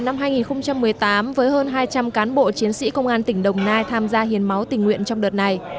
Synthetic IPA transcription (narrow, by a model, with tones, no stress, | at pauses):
na˧mɦaː˧jŋi˨˩nxə˧ŋ͡mt͡ɕa˧mːɨ˨˩əjt̪aː˨˦mvəː˨˦jɦəː˧nɦaː˧jt͡ɕa˧mkaː˨˦nɓo̰˧˨t͡ɕi˨˦ənsḭ˧˥kə˧wŋ͡mʔaː˧nt̪ï˧˩ŋ̟ɗə˨˩wŋ͡mnaː˧jt̪ʰaː˧mzaː˧hi˨˩ənma˨˦wt̪ï˨˩ŋ̟ŋwḭ˧˨ənt͡ɕɔ˧wŋ͡mɗəː˨˩t̚na˨˩j